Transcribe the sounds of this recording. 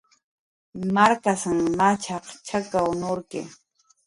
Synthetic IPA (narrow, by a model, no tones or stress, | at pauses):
maɾkasaŋmat͡ʃʰaχt͡ʃʰakaʊnoɾkɪ̰